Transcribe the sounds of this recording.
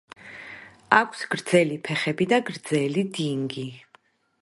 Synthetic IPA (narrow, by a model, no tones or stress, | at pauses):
akʷʰsɡ̥ɾd̪zɛlipʰɛχɛbid̪aɡɾd̪zɛlid̪iŋɡi